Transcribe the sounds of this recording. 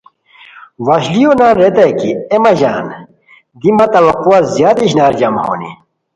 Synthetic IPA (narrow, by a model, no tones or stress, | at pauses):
ʋɐɕlijonaːnɾet̪ɐkiemɐʑaːn | d̪imɐt̪ɐʋɐquazjaːd̪iɕnaːɾd͡ʑɐmho̰ːnḭ